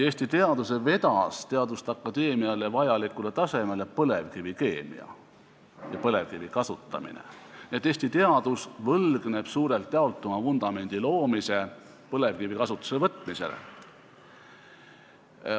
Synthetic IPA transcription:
eːsʲt̪it̪e̞ɑd̪̥us̬e̞ve̞d̪ɑst̪e̞ɑd̪ust̪ɑkˑːɑd̪e̞ːmiɑlevɑjɑlikːˑule̞t̪ɑse̞mele̞pɤle̞vkivike̞ːmḭɑ̰ | jɑpɤle̞vkivikɑsut̪ːˑɑ̰mḭnḛniet̪ːˑeːsʲt̪it̪e̞ɑd̪usvɤlɡ̥ne̞b̥suːɾe̞lt̪ːˑeɑolt̪ːˑumɑfund̪̥ɑme̞nʲd̪̥ilo̞ːmise̞ | pɤle̞vkivikɑsut̪ːˑu̥sevɤt̪ːˑmise̞̰lḛ

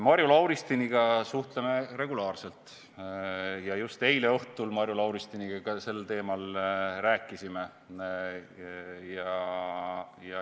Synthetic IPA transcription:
mɑɾjulɑwɾist̪iniɡ̥ɑsuht̪leme̞re̞ɡulɑːrse̞lt̪ˑ | jɑjust̪e̞jle̞oht̪ulmɑɾjulɑwɾist̪iniɡɑkɑse̞lːt̪e̞ːmɑlræːkːˑisime̞ | jɑ | jɑ

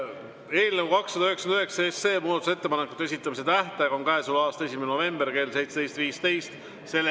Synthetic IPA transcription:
e̞ːlnevukɑksːɑd̪ɑyɦeksɑnyhe̞ksɑesːe̞ːmuːd̪ɑt̪uset̪ːepɑnekːˑut̪ːeesit̪ˑːɑmis̬e̞t̪æht̪æɡonkæesulɑːst̪e̞s̬ʲimeneno̞ve̞mb̥erke̞ːlse̞jt̪sed̪e̞jtst̪viːst̪e̞jst̪ | se̞l

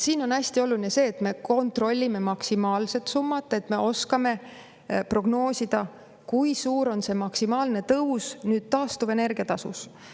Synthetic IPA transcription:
siːno̞næsʲt̪io̞lulinese̞ːt̪ːˑme̞ko̞nt̪ro̞lʲːime̞mɑksimɑːlse̞t̪sumːɑt̪ːˑe̞t̪ːˑme̞o̞skɑme̞ | pro̞ɡno̞ːsid̪̥ɑ | kujsuːɾo̞nse̞mɑksimɑːlne̞t̪ɤusnyːd̪̥̚t̪ɑːst̪uvene̞rɡ̥iɑt̪ɑsṵs

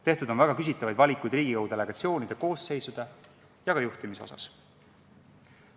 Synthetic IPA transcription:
t̪e̞ht̪ud̪o̞nvæɡ̥ɑkys̬it̪ːˑɑvɑjd̪vɑlʲikːˑujd̪rɾiːɡ̥ikɑwud̪e̞le̞ɡ̥ɑt̪sio̞ːnid̪̥e̞ko̞ːsːe̞jsud̪̥e̞ | jɑɡɑjuht̪imiso̞̰sɑ̰s

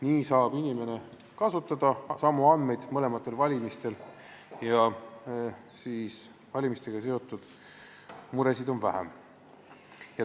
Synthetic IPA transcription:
niːsɑːb̥inʲime̞ne̞ | kɑsut̪ːˑɑd̪̥ɑsɑmːuɑnːe̞jd̪̥mɤle̞mɑt̪ːˑe̞lvɑlʲimist̪e̞l | jɑ | siːs | vɑlʲimist̪e̞ɡ̥ɑse̞o̞t̪ːˑud̪̥ | muɾe̞sid̪o̞nvæɦæ̰m | jɑ

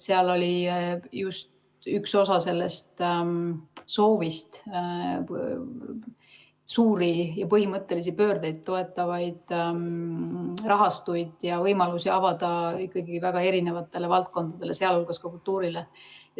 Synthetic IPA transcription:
se̞ɑlo̞lʲijust̪ | ykso̞sɑse̞lːe̞st̪ | so̞ːvist̪ | suːɾijɑpɤɦimɤt̪ˑːe̞lisipø̞ːrd̪ejd̪̥̚t̪ːo̞e̞t̪ˑːɑvɑjd̪̥ | rɑɦɑst̪ujd̪̥jɑvɤjmɑlusiɑvɑd̪̥ɑikːˑɑɡiivæɡ̥ɑe̞ɾine̞vɑt̪ːˑe̞le̞vɑlt̪̚ko̞nd̪̥ɑd̪̥e̞le̞se̞ɑlolɡ̥ɑskɑkult̪ːuːɾile

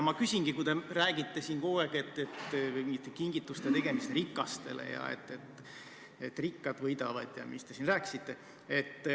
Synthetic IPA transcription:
mɑkysʲinŋɡ̥ikujd̪e̞ræːɡit̪ːe̞siːnkoːeke̞t̪ːet̪it̪ːekiŋɡit̪ːˑust̪et̪e̞ɡ̥e̞mist̪rikːˑɑst̪e̞̰le̞̰jɑ̰ḛt̪ːe̞t̪ː | et̪ːrikːɑd̪vɤjd̪ɑvɑd̪̥jɑ̰mist̪e̞sinræːkːi̥sit̪ːe̞ | et̪ː

